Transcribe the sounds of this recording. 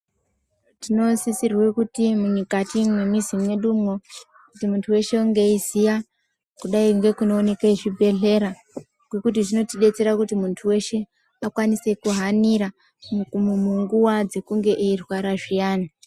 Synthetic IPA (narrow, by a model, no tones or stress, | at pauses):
tino̞sisirwekutimuɲikatimwe̞mizimweɗumo | kutimuntʰuwe̞ʃe̞uŋɡe̞izija | kuɗaiŋɡe̞kuno̞ːne̞keʐibʱe̞ɮe̞ɾa | ɡwe̞kut̬iʐino̞tiɗe̞t͡se̞ɾakutimuntʰuwe̞ʃe̞ | akwanise̞kuɦaniɾa | mumuŋɡuwad͡ze̞kuŋɡe̞ʔeirwaɾaʐijaːni